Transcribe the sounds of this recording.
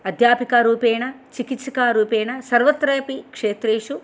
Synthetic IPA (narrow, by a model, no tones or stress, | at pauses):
ɐd̪ʱjaːpikɐɾuːpeːɳɐ | t͡ʃikit̪sɐkaːɾuːpeːnɐsɐɾʋɐt̪ːɾɐjɐpikʂeːt̪ɾeːʂu